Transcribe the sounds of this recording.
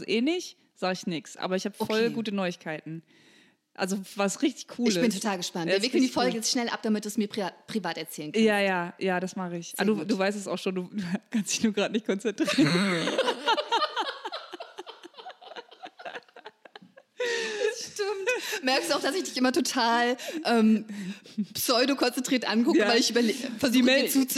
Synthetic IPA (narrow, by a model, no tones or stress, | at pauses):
zʔeːnɪç | z̥aːɡəɪçnɪksʔa̰ːbɐɪçhaːbəfɔlɡuːtənɔʏɪçkʰaɪtn̩ | ʔa̰lzovasʁɪçtɪ̥çkʰuːləbɪntʰotʰaːlɡəʃpantviːɐvɪːkl̩ndiːfɔlɡəjɛt͡stʃnɛlʔa̰p̚d̥amɪt̚dusmiːɐʁpʁ̥ivaːtɛɐt͡sɛːlənkjajaːjaːjaːdasmaχɪçʔa̰duːduːvaɪstɛsa̰ʊxʃoːnduːduːkʰanstd̥ɪçnuːɐɡʁaːtnɪçt̚kʰɔnt͡sɛntʁ̥iːʁən | ʃtɪmtmɛɐkstd̥uːaʊxd̥asɪçd̥ɪçʔɪmɐtʰotʰaːlʔɛːm | psɔʏdokʰɔnt͡sɛntʁ̥iɐtʔankʊkəvalɪçʔyːbɐleːfɛɐzduiɛt͡suːt͡s